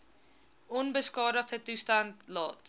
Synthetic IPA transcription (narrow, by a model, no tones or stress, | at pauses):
ɔnbəskɑːɾətətustandlɔːt